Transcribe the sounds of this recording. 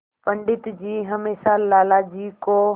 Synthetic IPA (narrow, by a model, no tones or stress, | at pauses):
pəɳɖɪt̪d͡ʑiːɦəmeːsalaːlaːd͡ʑiːkoː